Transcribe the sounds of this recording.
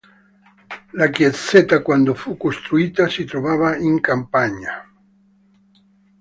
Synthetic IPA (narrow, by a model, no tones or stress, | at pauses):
lakjeset̪akwand̪ofukost̪ɾuit̪asit̪ɾoβaβaiŋkampaɲa